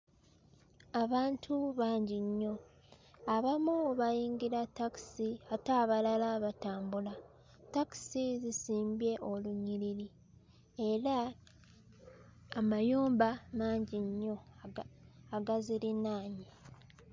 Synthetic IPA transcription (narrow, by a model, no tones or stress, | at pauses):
aβaːntʰuβaːɲɟiɲːo̞ | aβamuβajiːŋɡiɾataki̥siataːβalalaβataːmbula | taki̥sizisiːmbje̞ʔoluɲiɾiɾi | e̞ɾa | majuːmbamaːɲɟiɲːo̞ | aɡaziɾinaːɲi